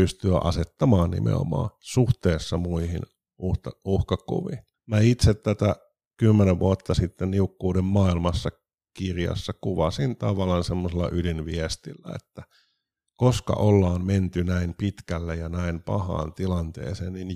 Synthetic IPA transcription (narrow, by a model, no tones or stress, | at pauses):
pyst̪yæʔɑ̰set̪ːɑmɑːnnḭmḛo̰mɑ̰ːsuht̪eːsːɑmuihḭn | uht̪ɑuhkɑkṵʋi | mæit̪set̪t̪ːæt̪æ | kymːeneʋʋʔuɑt̪ːɑsit̪ːenniukːuːdemmɑːilmɑsːɑ | kirjɑ̰sːɑkuʋɑsint̪ɑʋɑlɑnsemːoselːɑ̰ʔylinʋiæst̪ilːæ̰ḛt̪ːæ | koskɑ̰ʔolːɑːmment̪ynæimpit̪kælːejɑnæimpɑ̰hɑ̰ːnt̪ilɑnt̪ḛːsḛːnnin